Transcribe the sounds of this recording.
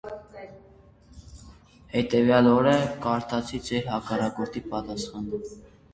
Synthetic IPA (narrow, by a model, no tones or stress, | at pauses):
hɛt̪ɛvjɑlɔɾɛkɑɾt̪ʰɑt͡sʰit͡sʰɛɾɦɑkɑɾɑkɔɾt̪ʰipɑt̪ɑsχɑnu